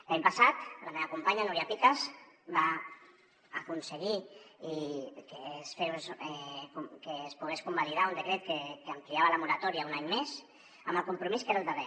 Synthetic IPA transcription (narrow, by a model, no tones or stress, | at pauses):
laɲpəsat̪lameβəkumpaɲanuɾjapikazbaː | kunsəɣiikesfesɛkukeːspuɣ̞eskumbaliðaund̪əkɾet̪̚kekəəmpliaβələmuɾat̪ɔɾiaunaɲmes | əməlˠkumpɾumiskeɾalˠd̪əβe